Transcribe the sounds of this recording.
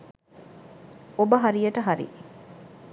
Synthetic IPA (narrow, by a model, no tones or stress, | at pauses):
obɐɦaɾijɐʈəɦaɾḭ